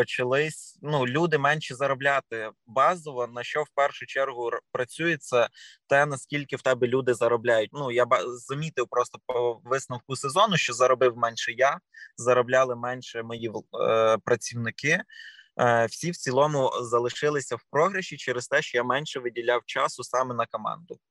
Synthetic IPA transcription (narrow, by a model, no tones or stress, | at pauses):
pɔt͡ʃɐlˠɪsʲnulʲud̪ɪmɛnʲʃizɐɾɔblʲat̪ɪbɑzɔʋɔnɐʃt͡ʃɔwpɛrʃʊt͡ʃɛrɦʊpɾɐt͡sʲujet͡sʲːɐt̪ɛnɐskʲilʲkɪwt̪ɛbʲɪlʲud̪ɪzɐɾɔblʲajʊt̚ʲnujabzɐmʲit̪ɪwpɾɔst̪ɔpɔʋɪsnɐwkʊsezɔnʊʃt͡ʃɔzɐɾɔbɪwmɛnʲʃɛjazɐɾɔblʲalˠɪmɛnʲʃɛmɔjipɾɐt͡sʲiwnɪkɪ | wsʲiwt͡sʲilˠɔmʊzɐlˠɪʃɪlˠɪsʲɐwpɾɔɦɾɐʃit͡ʃɛɾest̪ɛʃt͡ʃɔjamɛnʲʃɛʋɪdʲilʲawt͡ʃɑsʊsɑmɛnɐkɔmɑ̰nd̪ʊ